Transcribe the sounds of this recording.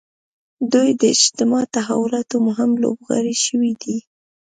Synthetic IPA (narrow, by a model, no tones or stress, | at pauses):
d̪ujd̪əɪd͡ʒt̪ɪmɑt̪aɦawʊlɑt̪omʊɦɪmlo̰bɣɑ̰ɾiʃəwid̪i